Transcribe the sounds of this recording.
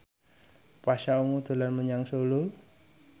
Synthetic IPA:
paʃauŋud̪̥ṳlanməɲaŋsolu

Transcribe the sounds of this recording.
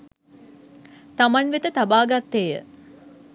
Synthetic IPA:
t̪amanʋet̪ət̪abaːɡat̪ːeːjə̰

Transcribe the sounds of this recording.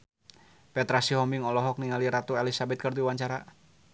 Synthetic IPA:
pɛt̪ɾasiɦɔmbiŋɔlɔɦɔk̚niŋaliɾat̪uelisabɛt̪̚kɨrd̪iwaɲt͡ʃaɾa

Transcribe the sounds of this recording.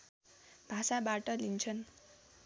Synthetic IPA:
b̥ʱasabaʈʌlint͡sʰʌn

